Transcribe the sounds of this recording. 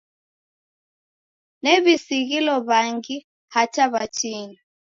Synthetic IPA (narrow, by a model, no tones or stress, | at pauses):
nɛβisiɣilɔβaŋɡi | hataβat͡ʃini